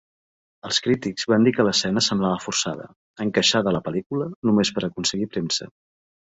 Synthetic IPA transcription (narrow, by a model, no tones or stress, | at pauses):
əlˠskɾit̪ikz̥βand̪ikələsɛnəsəmblaβəfuɾsa̰ðə̰ | əŋkəʃaðələpəlikulənumespəɾəkunsəɣipɾemsə̰